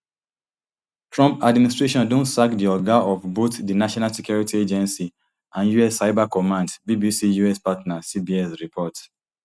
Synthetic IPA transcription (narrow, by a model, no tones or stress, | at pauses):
tɹɔ̃mpadministɹeʃɔ̃ndõntsakdiɔɡaɔfbotdinaʃɔnalsɛkjuɹitied͡ʒɛ̃nsi | ãnjuɛsːaɪbakɔmãndbibisijuɛspatnasibiɛsɹipʰɔt